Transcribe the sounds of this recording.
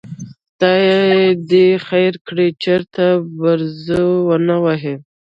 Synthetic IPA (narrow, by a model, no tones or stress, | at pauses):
t̪ɑjed̪exajɾkɽet͡ʃaɾt̪abaɾzəwənawaɦe